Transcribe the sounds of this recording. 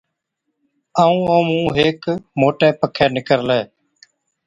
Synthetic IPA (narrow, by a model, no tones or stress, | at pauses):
aːũːoːmũːɦeːkmoːʈeːpəkʰeːnɪkəɾleː